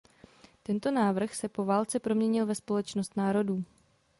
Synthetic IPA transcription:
t̪ɛnt̪o̞naːvr̩xsɛpo̞vaːlt͡sɛpɾo̞mɲɛɲɪlvɛspo̞lɛt͡ʃnost̪naːɾo̞duː

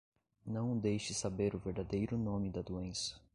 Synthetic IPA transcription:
nɐ̃w̃d̪ejʃɪsabeɾʊveɾd̪ad̪ejɾʊnõmɪd̪ɐd̪uẽsɐ̥

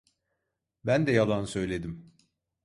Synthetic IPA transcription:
bænd̪ɛjalˠansø̞jlʲe̞d̪im

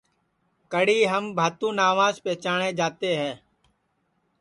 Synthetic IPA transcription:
kəɽiːɦəmbʱaːt̪ũːnaːʋãːzpɛːt͡ʃaːɳẽːd͡ʒaːt̪eːɦɛ̃ː

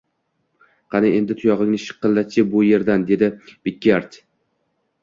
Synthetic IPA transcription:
qʰɑnɪe̞nd̪ɪt̪ʰʊjɒʁɪŋnɪʃɨ̥qːɨlːat͡ʃʰɪbʊje̞ɾd̪and̪e̞d̪ɪb̥ɪkʲːaɾt͡ʃ

